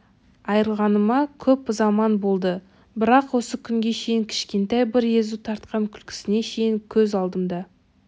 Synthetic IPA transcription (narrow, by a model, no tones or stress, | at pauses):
ɑjɾəlˠʁɑnəmɑkʲʰɵpzɑmɑnbo̞lˠd̪ə | bɪɾɑqwo̞səkʲʰʏŋɡʲe̞ʃe̞jɪŋkʲʰɪ̥ʃkʲe̞nt̪ɑjbɪɾe̞zut̪ʰɑɾt̪qɑŋkʲʰʏlkʲʰɪ̥sɪne̞ʃe̞jɪŋkʲʰɵzɑlˠd̪əmd̪ɑ